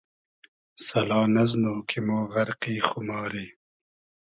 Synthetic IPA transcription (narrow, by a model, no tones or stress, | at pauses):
sɐlɑːnɐznoːkʰimoːɣɐɾqiːxumɑːɾiː